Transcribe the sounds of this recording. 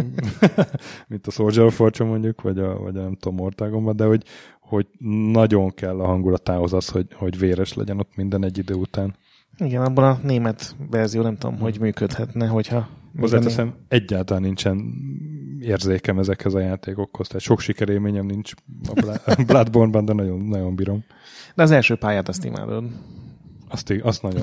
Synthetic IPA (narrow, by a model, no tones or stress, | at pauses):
mint̪ɒsord͡ʒɛɾofort͡ʃomo̞ɲɟukʋɒɟɒvɒ̰ɟnɛmt̪o̞mːort̪aːɡo̞mbɒnd̪ɛho̞ɟ | ho̞ɟnɒɟo̞ŋkɛlːɒɦɒŋɡulɒt̪aːho̞zɒsho̞ɟho̞ɟveːɾɛʃlɛ̰ɟɛno̞t̪mind̪ɛnɛɟːid̪øːut̪aːn | iɡɛnɒbːolɒneːmɛt̪ʋɛrzijoːnɛmt̪ud̪o̰mɦo̞ɟmyːkøt̪hɛt̪nɛɦo̞chɒozːaːt̪ɛsɛmɛɟːaːlt̪ɒlaːnint͡ʃɛn | eːrzeːkɛmɛzɛkhɛzɒjaːt̪eːko̞khost̪aːt̪ʃo̞kʃikɛɾeːlmeːɲɛmnint͡ʃlblad̪borbɒnd̪ɛnɒɟo̞nːɒɟo̞mbiɾo̞m | d̪̥ɛɒzɛlʃøːpaːjaːt̪ɒst̪ḭma̰ːd̪o̞d̪ | ɒst̪iɒst̪nɒɟo